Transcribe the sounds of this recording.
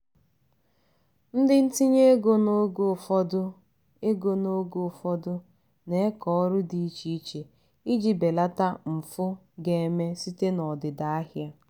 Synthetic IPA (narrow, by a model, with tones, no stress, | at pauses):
n̩˦dɪ˦n̩˦ti˦ɲe˦ɡo˦ɡfɔ˦dʊ˦ | e˦ɡo˨no˦ɡo˨fɔ˦dʊ˦ | ne˦e˦kɔ˨ɔ˦ɾʊ˦di˨i˦t͡ʃi˦t͡ʃe˨ | i˦d͡ʒi˨be˨la˦ta˦m̩˨fʊ˦ | ɡe˨˦me˦si˦te˦nɔ˨dɪ˨da˨a˦ɦja˦